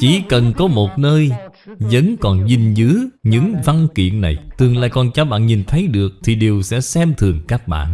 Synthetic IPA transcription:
t͡ɕi˧˩kə˨˩nkɔ˨˦mo˨˩t̚nəː˧jzə̰˧˦˥nkɔ˨˩nzi˨˩nzɨ˨˦ɲɨ̰˧˥ŋva˧ŋkḭ˧˨ənna˨˩jt̪ɨ˨˩əŋla̰ː˧˨jkɔ˨˩nt͡ɕɔ˧˩ɓa̰ː˧˨nɲi˨˩nt̪ʰə˨˦jɗɨ˨˩ək̚t̪ʰi˨˩ɗi˨˩əwsɛ̰˧˥sɛ˧mt̪ʰɨ˨˩əŋkaː˦˥k̚ɓa̰ː˧˨nʔ

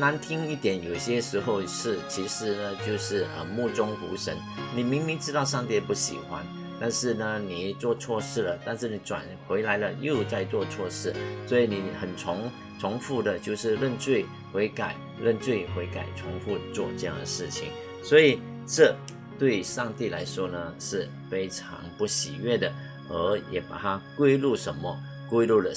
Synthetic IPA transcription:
na˧˥nt̪ʰi˥ŋi˥˩t̪jɛ˨˥njo˨˩ʊi˧ɕjɛ˥ʂɻ̩˧˥xo˥˧ʊʂɻ̩˥˩t͡ɕʰi˧˥ʂɻ̩˧˥nə˧t͡ɕjo˥˧ʊʂɻ̩˥˩ə̰˧mu˥˩t͡sʊ˥ŋxṵ˧˥ʂə˧˥nni˨˩mi˧˥ŋmi˧˥ŋʈ͡ʂɻ̩˥t̪ɑ˥˧ʊʂɑ˥˧ŋt̪ji˥˧pu˥˩ɕḭ˨˩xwa̰˦n | t̪a˥˧nʂɻ̩˥˩nə˩ni˨˩t͡swɔ˥˧t͡sʰwɔ˥˧ʂɻ̩˥˩lə˩t̪a˥˧nʂɻ̩˥˩ni˨˩ʈ͡ʂwa̰˨˩nxwe˧˥ɪla˧˥ɪlə˧jo˥˧ʊt͡sa˥˧ɪt͡swɔ˥˧t͡sʰwɔ˥˧ʂɻ̩˥˩swɔ˧˥i˨˩ni˨˩xə˨˩nʈ͡ʂʰʊ˧˥ŋ | t͡sʰʊ˧˥ŋfu˥˩d̪ə˨t͡ɕjo˥˧ʊʂɻ̩˥˧ɻə˥˧nt͡swe˥˩ɪ | xwe˧˥ɪka˨˩ɪ | ɻə˥˧nt͡swe˥˩ɪxwe˧˥ɪka˨˩ɪt͡sʰʊ˧˥ŋfu˥˧t͡swɔ˥˧ʈ͡ʂɤ˥˧jɑ̰˥˩ŋd̪ə˩ʂɻ̩˥˩t͡ɕʰḭ˨˩ŋ | swɔ˧˥i˨˩ | ʈ͡ʂɤ˥˧ | t̪we˥˩˧ɪʂɑ˥˧ŋt̪i˥˩la̰˧˥ɪʂwɔ˥nə˨ʂɻ̩˥˩ | fe˥ɪʈ͡ʂʰɑ̰˧˥ŋpu˥˩ɕḭ˨˩ɥɛ˥˩d̪ə˩ | ə˧˥jɛ˨˩pa̰˨˩t̪ʰa˥kwe˥ɪlu˥˩ʂə˧˥nmə˧ | kwe˥ɪlu˥˩lə˨

